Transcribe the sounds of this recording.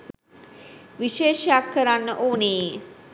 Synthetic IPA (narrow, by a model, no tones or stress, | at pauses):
ʋiʃeːʃjakːəɾanːəʔoːnee